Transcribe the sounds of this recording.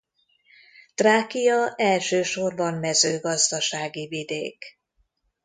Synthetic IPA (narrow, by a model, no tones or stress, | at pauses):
t̪raːkijɒɛlʃøːʃo̞rbɒmːɛzøːɡɒzd̪ɒʃaːɡivid̪ḛːk